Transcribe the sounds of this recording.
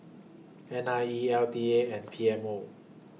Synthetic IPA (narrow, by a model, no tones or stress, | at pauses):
ʔɛ̃naiɛldieʔɛ̃npʰiɛmo